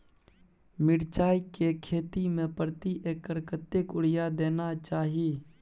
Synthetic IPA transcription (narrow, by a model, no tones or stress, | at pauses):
mɪɽt͡ʃaːikekʰeːt̪imẽpɾət̪iʔeːkəɾkət̪ːekʊɽ̤ɪjad̪eːnat͡ʃaːɦieː